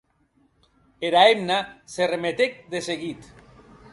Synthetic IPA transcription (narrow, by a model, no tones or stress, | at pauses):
eɾaemnaseremet̪ek̚d̪eseɣit̪